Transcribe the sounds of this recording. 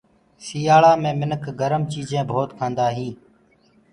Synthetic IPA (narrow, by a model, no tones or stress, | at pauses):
siːaːɭaːmẽːmɪnəkʰɡəɾəmt͡ʃiːzʱẽːbʱoːt̪kʰãːnd̪aːɦĩː